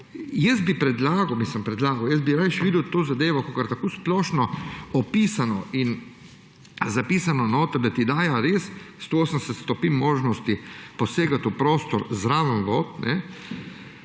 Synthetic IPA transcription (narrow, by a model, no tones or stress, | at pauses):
jɛsbipɾɛd̪laːɡɐwmislimpɾɛd̪laːɡɐwjɛzbiɾaʃʋiːd̪əwt̪oːzad̪eːʋɔkokaɾt̪akoːsplɔːʃnɔɔpiːsanɔin | zapiːsanɔnot̪ɔd̪at̪id̪aːjaɾeːsst̪ooːsənsɛt̪st̪ɔpinmoːʒnɔst̪ipɔseːɡat̪upɾoːst̪ɔɾzɾaːʋənʋot̪nɛ